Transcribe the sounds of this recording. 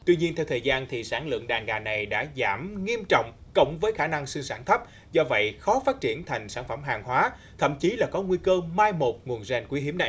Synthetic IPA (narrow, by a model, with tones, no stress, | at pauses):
t̪wi˧ɲi˧ənt̪ʰɛ˧wt̪ʰəː˨˩jzaː˧nt̪ʰi˨˩saː˧˩nlɨ̰˧˨əŋɗaː˨˩nɣaː˨˩na˨˩jɗa̰ː˧˥zaː˧˩mŋi˧əmt͡ɕɔ̰˧˨wŋ͡m | kə̰˧˩˨wŋ͡mvəː˨˦jxaː˧˩na˧ŋsɨ˧ŋsaː˧˩nt̪ʰə˦˥p̚ | zɔ˧və̰˧˨jxɔ˨˦faː˦˥t̚t͡ɕi˧˩ənt̪ʰa˨˩jŋ̟saː˧˩nfə˧˩mɦaː˨˩ŋɦwaː˨˦ | t̪ʰə̰˧˨mt͡ɕi˨˦laː˨˩kɔ˨˦ŋwi˧kəː˧maː˧jmo˨˩t̚ŋu˨˩ənzɛ˧nkwi˨˦ɦi˨˦əmɗa̰ː˧˨